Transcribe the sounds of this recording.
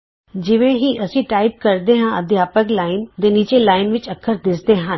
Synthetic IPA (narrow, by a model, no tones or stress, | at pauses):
d͡ʑɪʋẽɦiʔɐsĩʈaːɪp̚kɐɾd̪eɦãɐd̪ʱjaːpəklaːɪnt̪ẽniːt͡ɕelaːɪnʋɪt͡ʃɐkʰːəɾd̪ɪsd̪eɦãn